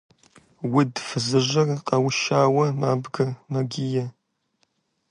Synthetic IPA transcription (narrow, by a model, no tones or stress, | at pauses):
wʊdfɨzɨʑɐrqʼɐwʃaːwɐmaːbɡɐmɐɡʲɪjɐ